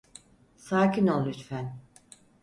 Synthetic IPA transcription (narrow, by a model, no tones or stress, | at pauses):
saːcʰinolˠːyt̪fæn